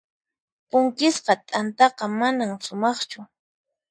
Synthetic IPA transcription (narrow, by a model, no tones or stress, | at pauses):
pʊŋkɪsqɑt̪ʼant̪ɑqɑmanamsʊmɑχt͡ʃʊ